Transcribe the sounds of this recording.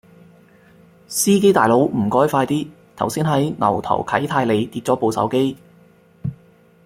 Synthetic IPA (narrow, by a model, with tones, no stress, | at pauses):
siː˥ke˥jt̪aː˨jlo˨˥wm̩˨˩kɔː˥jfaː˧jt̪iː˥ | t̪ʰɐ˨˩wsiː˥nɦɐ˨˥jnɐ̰˨˩wt̪ʰɐ̰˨˩wkʰɐ˨˥jt̪ʰaː˧jle˨˧jt̪iː˧t̚t͡sɔː˨˥po˨wsɐ̰˨˥wke˥j